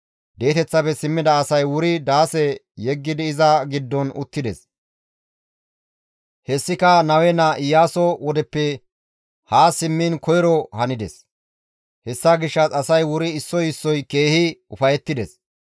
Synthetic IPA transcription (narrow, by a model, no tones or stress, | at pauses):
d̪e̞ːt̪ɛt͡sːɐpɛsɪmːɪd̪ɐːsɐjwʊɾɪd̪aːsɛ | jɛɡːɪd̪ɪɪzɐɡɪd̪ːɔnʊ̰t̪ːɪd̪ɛs | hɛsːɪkɐnɐwɛnɐʔɪjːaːsɔwɔd̪ɛpːɛ | haːsɪmːinkɔjɾɔhɐnɪd̪ɛ̰s | hɛsːɐɡɪʃːɐt͡sɐsɐjwʊɾɪːsːɔjɪsːɔjke̞ːhɪʊfɐjɛt̪ːɪd̪ɛs